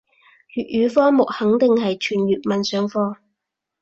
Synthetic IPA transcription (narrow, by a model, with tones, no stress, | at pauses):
jyː˨t̚jyː˨˧˥fɔː˥mʊ˨k̚hɐ˨˥ŋt̪ɪ˨ŋhɐ˨jt͡ʃʰyː˨˩njyː˨˩t̚mɐ˨˩nsœː˨˥ŋfɔː˧